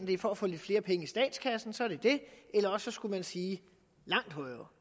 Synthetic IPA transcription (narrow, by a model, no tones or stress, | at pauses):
n̩d̥e̝fɒ̽æfɔ̰led̥fle̝ːɐpʰeŋəisd̥ɛ̰ːd̥skʰæsn̩sɒ̽æɐd̥e̝d̥e̝elɐɒsːɒ̽sɡ̥umænsiː | lɑ̈ŋ̰d̥ɦɒ̽ɪ